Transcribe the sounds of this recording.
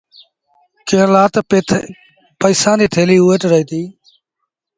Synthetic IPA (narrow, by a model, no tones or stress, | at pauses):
kẽːlaːt̪ | pəɪːsãːd̪iːt̪ʰeːliːuːeʈɾəiːt̪iː